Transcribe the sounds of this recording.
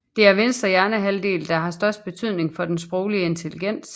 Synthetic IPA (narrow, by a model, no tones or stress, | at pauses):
d̥e̝æɐʋe̝nsd̥ʁɐjæɐnəɦæld̥e̝̰ːld̥ɑ̈ɦɑ̈sd̥ɶɐsd̥̚b̥e̝t͡sʰyð̰ˠne̝ŋfɒ̽d̥ensb̥ʁɔʊliəe̝nt͡sʰe̝liɡ̥en̰s